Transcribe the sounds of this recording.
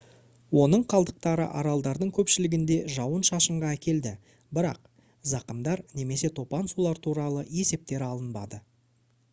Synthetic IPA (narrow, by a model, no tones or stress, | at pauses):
wo̞nəɴqʰɑlˠd̪əq̚t̪ɑɾə̰ʔɑɾɑlˠd̪ɑɾd̪əɴkʲʰɵpʃɪlɪɡʲɪnd̪e̞ʒɑwənʃɑʃəɴʁɑækʲe̞ld̪ɪ | bɪɾɑ̰q̚ | zɑqəmd̪ɑɾne̞me̞se̞t̪ʰo̞pɑnsulˠɑɾt̪ʰuɾɑlˠəe̞se̞p̚t̪e̞ɾɑlˠənbɑ̰d̪ə